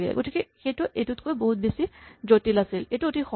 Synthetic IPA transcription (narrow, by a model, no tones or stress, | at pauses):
ɡɛ̰ɡotʰikɛxejtʊʔejtutkojboɦut̚besizotilasilejtuotʰixɔ